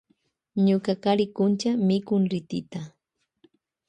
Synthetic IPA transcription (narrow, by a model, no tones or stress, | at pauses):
ɲʊkakaɾɪkʊnt͡ʃamɪkʊŋɾɪt̪ɪ̰t̪a